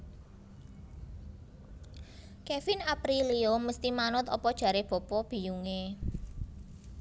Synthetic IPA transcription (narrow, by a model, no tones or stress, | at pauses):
kefɪnapɾilioməst̪imanʊt̪ɔpɔd̥ʒ̥ä̤ɾeb̥ɔ̤pɔb̥i̤juŋe